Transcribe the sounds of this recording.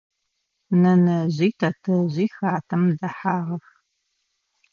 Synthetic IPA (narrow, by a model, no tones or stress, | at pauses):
nɐnɐʑiːtʰɐtʰɐʑiːxaːtʰɐmdɐħaːʁɐx